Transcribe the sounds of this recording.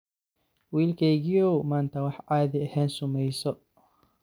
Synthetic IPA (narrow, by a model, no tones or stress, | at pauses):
wiːlkʰɛjɣɪjɔwmaːnt̪ʰɐwɑħʕɑːðɪɐhɛːnsʊmɛjsɔ